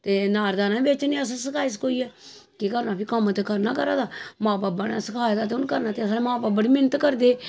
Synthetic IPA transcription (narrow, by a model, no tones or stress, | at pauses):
t̪eːnaːɾd̪aːnãːbeːt͡ʃnĩːəs̬səkʰaːis̬koːiːɛː | kikəɾnaːpʰɪkəmt̪ekəɾnaːkəɾaːd̪aːmãːbaːbəɽa̰ːsəkʰaːjd̪aːt̪eʊnkəɾnaːt̪eːəsːnemãːbaːbəɽiːmɪnət̪kəɾd̪eː